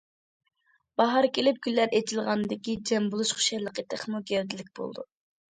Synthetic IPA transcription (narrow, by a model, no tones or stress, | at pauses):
b̥ɑɦɑɾkʲelɪp̚ɡʲylːæɾet͡ʃʰilˠʁɑnɨd̪ɪkʲid͡ʒɛmbulˠuʃχu̥ʃɛjlˠəqət̪ʰəχmuɡʲeɾd̪ɪlɪk̚ʲb̥o̰lˠd̪ṵ